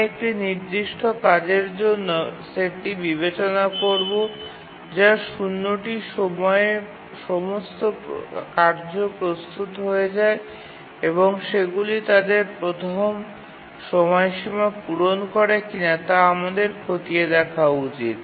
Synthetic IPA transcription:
ek̚ʈiniɾd̪iʃʈokad͡ʑeɾd͡ʑonːoseʈibiβet͡ɕonakoɾbo | d͡ʑaʃunːoʈiʃɔmɔee | ʃɔmost̪okaɾd͡ʑopɾost̪ut̪ɦoed͡ʑae | eβoŋʃeɡulit̪ad̪eɾpɾot̪ʰom | ʃɔmɔeʃimapuɾonkɔɾekinat̪aamad̪eɾkʰot̪ied̪ɛkʰaut͡ɕit̪̚

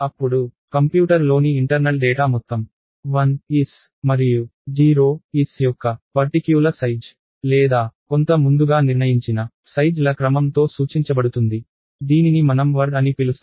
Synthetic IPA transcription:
ɐpːuɽukɐmpjuːʈɐɾlo̞ːniːɳʈɐɾnɐɭɖɛːʈaːmɔt̪ːɐm | ʋɐnis | mɐɾijud͡ʒiːɾoːisjɔkːɐpɐɾʈikjuːlɐsɐjd͡ʒ | lɛːd̪aːko̞nt̪ɐmund̪uɡaːniɾɳɐjiɲt͡ʃinɐ | sɐjd͡ʒlɐkɾɐmɐmt̪o̞ːsuːt͡ʃiɲt͡ʃɐbɐɽut̪und̪i | d̪iːninimɐnɐmʋɐɾɖɐnipilus

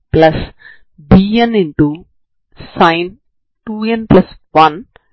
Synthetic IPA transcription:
plɐs | biːɐ̃nɪ̃ɳʈu | sãɪn | ʈuːɛ̃nplɐsʋɐ̃n

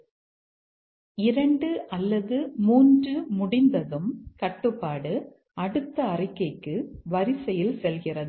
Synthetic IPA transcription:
ɪɾɐɳɖɯʔɐlːɐðɯmuːndrɯmʊɽɪnd̪ɐðɯmkɐʈːɯpːaːɽɯ | ɐɽɯt̪ːɐːrɪkːɐɪkːɯʋɐɾɪsɛjɪlsɛlɣɪrɐðɯ

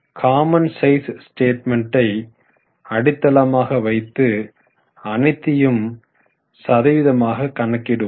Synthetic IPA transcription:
kʰaːmɐnsɐɪssʈeːʈ̚mɛɳʈɐɪ | ɐɽɪt̪ːɐlɐmaːɣɐʋɐɪt̪ːɯ | ɐnɐɪt̪ːɪjɯm | sɐðɐʋɪðɐmaːɣɐkːɐɳɐkːɪɽɯ

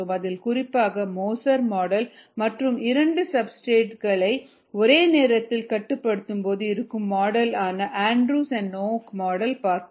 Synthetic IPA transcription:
ɯmɐðɪlkʊrɪpːaːɣɐmoːsɐɾmaːɽɐlmɐʈrɯmɪɾɐɳɖɯsɐbsʈeːʈɣɐɭɐɪ | ɔɾeːneːɾɐt̪ːɪlkɐʈːɯpːɐɽɯt̪ːɯmpoːðɯɪɾɯkːɯmːaːɽɐlaːnɐʔaːɳɖɾuːsɛnɖnoːkmaːɽɐlpaːɾt̪

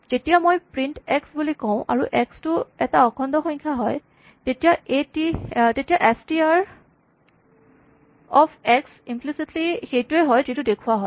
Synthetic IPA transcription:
z̥etijamojpɹintɛksbulikɔʊ̃ʔa̰ɹuʔɛkstʊɛtaɔkʰɔndɔxɔɲkʰaɦɔj | tetijaetitetijaʔɛstiaɹ | ɔpʰɛksimplisitlixejtʊɛɦɔjzitʊdekʰuaɦɔj

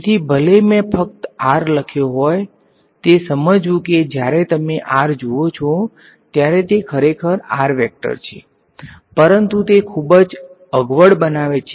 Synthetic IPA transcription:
t̪ʰibʱəlemẽpʰək̚t̪aɾləkʰjoɦɔj | t̪esəməd͡ʒʋũked͡ʒjaɾet̪əmeʔaɾd͡ʒoot͡ʃʰo | t̪jaɾet̪ekʰəɾekʰəɾa̰ɾʋɛk̚ʈə̰ɾt͡ʃʰḛ | pəɾənt̪ut̪ekʰubəd͡ʒ | əɡʋəɽbənaʋet͡ʃʰ

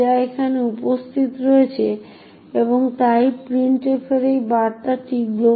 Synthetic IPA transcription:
aekʰaneupost̪ʰit̪ɾoet͡ɕʰe | eboŋt̪ajpɾiɳʈeɾfʰeɾejbaɾt̪aʈʰiɡlo

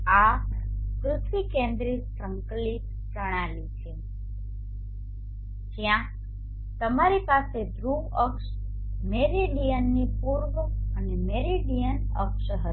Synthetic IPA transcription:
a | kɾʊt̪ʰʋikẽnd̪ɾit̪pɾəmklit̪ | pəɽ̃alit͡ʃʰe | d͡ʒjã | t̪əmaɾipased̪ɾuəkʃ | meɾiɖijənːipuɾɡənemeɾiɖijənə̰kʃəɦət̪

